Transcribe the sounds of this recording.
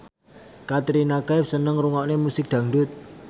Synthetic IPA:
kat̪ɾinakaɪfsənəŋɾuŋɔʔnemusɪk̚d̪̥ä̤ŋɖʊt̪̚

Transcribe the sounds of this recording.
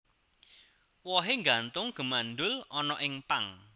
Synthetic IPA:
wɔɦeŋɡant̪ʊŋɡ̥ə̤manɖʊlɔnɔʔɪŋpaŋ

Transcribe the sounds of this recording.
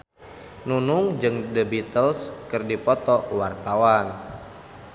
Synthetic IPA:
nunʊŋd͡ʒɨŋdəbit̪əlskɨrdipɔt̪ɔwart̪awan

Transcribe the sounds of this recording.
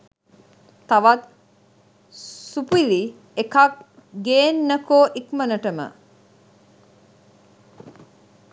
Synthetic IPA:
t̪aʋat̪̚ | supili | ekakɡeːnːəkoːʔikmənəʈəmə̰

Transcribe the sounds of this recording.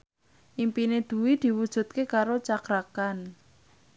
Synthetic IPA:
ʔimpined̪̥ṳwid̪̥i̤wud̥ʒ̥ṳt̪̚kekaɾot͡ʃakɾakan

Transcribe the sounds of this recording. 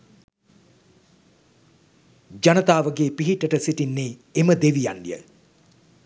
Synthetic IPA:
d͡ʒanət̪aːʋəɡeːpiɦiʈːəʈəsiʈinːeːeməd̪eʋijanːijə̰

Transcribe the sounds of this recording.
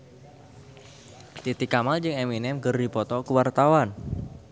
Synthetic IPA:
t̪it̪ikamald͡ʒɨŋɛminɛmɡərdipɔt̪ɔkəwart̪awan

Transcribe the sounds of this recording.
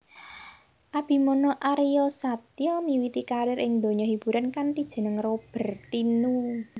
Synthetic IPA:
ʔab̥i̤mɔnɔʔaɾijɔsat̪jɔmiwit̪ikaɾɪɾɪŋd̪o̤ɲɔɦib̥ṳɾankanʈid̥ʒ̥ə̤nəŋrob̥ə̤rt̪inu

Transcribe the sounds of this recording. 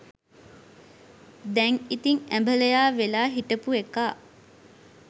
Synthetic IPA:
d̪ɛŋit̪iŋæmbələjaːʋelaːɦiʈəpuekaː

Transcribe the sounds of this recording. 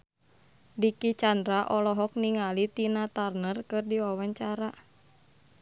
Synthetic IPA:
dikit͡ʃandɾaʔɔlɔɦɔk̚niŋalit̪inat̪arnərkɨrdiwawaɲt͡ʃaɾa

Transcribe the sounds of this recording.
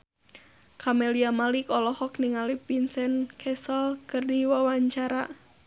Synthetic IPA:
kʰameliamalikɔlɔhɔk̚niŋalipinsɛnkʰɛsɔlkɨrdiwawaɲt͡ʃaɾa

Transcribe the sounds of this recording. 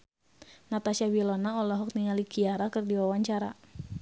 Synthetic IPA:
nat̪asiawilɔnaɔlɔɦɔk̚niŋalikiaɾakɨrdiwawaɲt͡ʃaɾa̰

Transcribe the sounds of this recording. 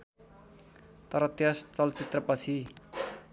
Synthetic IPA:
t̪ʌɾʌt̪jʌst͡sʌlt͡sit̪rʌpʌt͡sʰi

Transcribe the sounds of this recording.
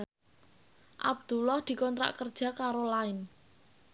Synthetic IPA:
ʔa̰b̚d̪̥ulɔhd̪̥i̤kɔnt̪ɾa̰ʔkərd̥ʒ̥a̤kaɾolaɪn

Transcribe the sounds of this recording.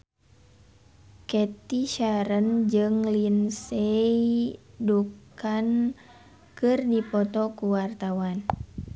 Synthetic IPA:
kɛt̪iʃaɾənd͡ʒɨŋlinsɛidukan | kɨrdipɔt̪ɔkuwart̪awan

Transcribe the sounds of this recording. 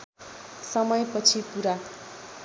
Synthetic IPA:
sʌmʌjpʌt͡sʰipuɾa

